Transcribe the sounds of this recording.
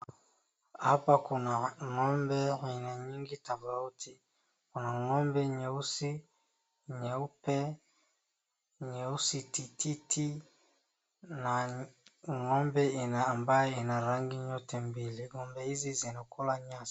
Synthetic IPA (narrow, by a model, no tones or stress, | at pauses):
apakunaŋɔmbɛinaɲiŋɡitabautʰi | kunaŋɔmbɛɲeusi | ɲaupɛ | ɲeusitititʰi | na | ŋɔmbɛenaːmbaenaɾaŋɡiɲɔtɛmbiliɡɔmbɛizizenɔkolaɲas